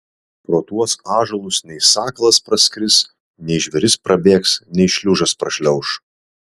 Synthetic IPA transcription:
pɾoːt̪uɔsɑːʒɐlˠʊsnʲɛɪsɑːklˠɐspɾɐsʲkɾʲɪs | nʲɛɪʒʲʋʲɛɾʲɪspɾɐbʲeːksnʲɛɪʃʲlʲuʒɐspɾɐʃʲlʲɛʊʃ

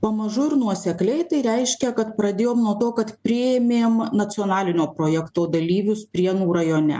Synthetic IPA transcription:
pɐmɐʒʊɾnuɔsʲɛklʲɛɪt̪ɐɪɾʲɛɪʃʲkʲɛkɐt̪pɾɐd̪ʲeːjoːmnuɔt̪oːkɐt̪pʲɾʲɪemʲeːmnɐt͡s̪ʲɪoːnɑːlʲɪnʲoːpɾoːjɛkt̪oːd̪ɐlʲiːʋʲʊspʲɾʲiɛnuːɾɐjoːnʲɛ̰

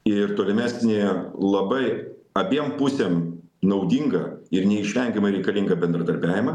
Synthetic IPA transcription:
ɪɾt̪oːlʲɪmʲæːsʲnʲeːlˠɐbɐɪɐbʲiɛmpusʲemnɐʊd̪ʲiŋɡɐ̰ɪɾnʲɛɪʃʲʋʲɛŋʲɡʲɛmɐɾʲɛɪkɐlʲiŋɡɐbʲɛnd̪ɾɐd̪ɐɾʲbʲæːʋʲɪmɐ

